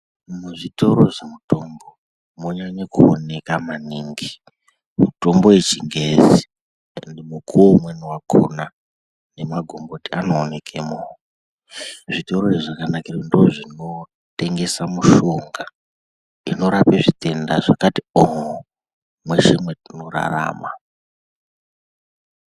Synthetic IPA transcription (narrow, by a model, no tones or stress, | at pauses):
muʐito̞ɾo̞ʐemuto̞mbo̞ | moɲaɲekuone̞kamaniŋɡi | muto̞mbo̞wet͡ʃiŋɡezi | ndimukʰuomwenuwakʰo̰na | ne̞maɡʱo̞mbotianoːne̞kʰemoːo | ʐitoɾoiʐakanakirondoʐino̞ | te̞ŋɡe̞samuʃoŋɡa | ino̞ɾapeʐite̞nda̰ʐakatioɦo | mwe̞ʂimwe̞tino̞ra̰ra̰ːma